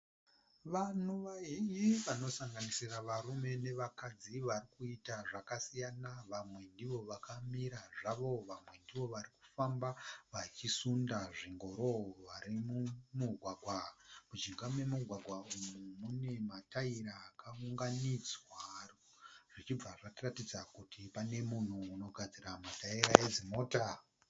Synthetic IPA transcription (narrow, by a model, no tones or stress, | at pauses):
ʋanuʋaiiʋano̞saŋɡanisiraʋaɾume̞ne̞ʋakad͡ziʋarikuitaʐakasijanaʋamwe̞ndiʋo̞ʋakamiɾaʐaʋo̞ʋamwe̞ndiʋo̞ʋaɾiku̥fambaʋat͡ʃisundaʐiŋɡo̞ɾoʋaɾimumuɡʱwaɡʱwamud͡ʒiŋɡamwemuɡʱwaɡʱwaumumune̞mataiɾaːkauŋɡanid͡zwa | ʐ̥it͡ʃib͡vaʐatiratid͡zakutipane̞mun̤uːno̞ɡʱad͡ziɾamataiɾae̞zimo̞ːta